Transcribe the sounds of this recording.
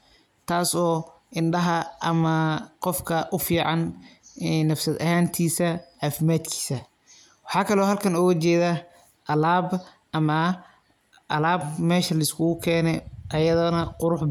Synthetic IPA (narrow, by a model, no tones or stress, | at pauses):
t̪ʰaːsɔː | ʔɪnɖɐɦɐʔɐmɐqɔfkʰɐʔʊfiːʕɑnː | ɐfsɐd̪ɐɦaːnt̪ʰiːsɐʕaːfɪmaːd̪kʰi̥ːsɐ | wɑħɑːkʰɐlɔːɦɐlkʰɐnɔːɣɐt͡ʃɛːðɐ | ʔɐlaːb | ʔɐmɐ | ʔɐlaːbmɛːʃɐlɐɪskʰʊɣʊkʰɛːnɛʔɐjɐðɐnɐqʊɾʊħ